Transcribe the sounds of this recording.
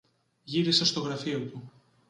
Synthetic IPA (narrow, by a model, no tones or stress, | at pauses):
ʝiɾisest̪o̞ɣɾɐfiot̪u